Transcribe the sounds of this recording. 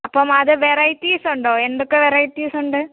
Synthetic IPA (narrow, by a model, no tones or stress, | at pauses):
ɐpːoːmɐðɯʋɛɾɐjtːiːsʊɳɖoːɛnɖɯkːɯʋɛɾɐjtːiːsʊɳɖɯ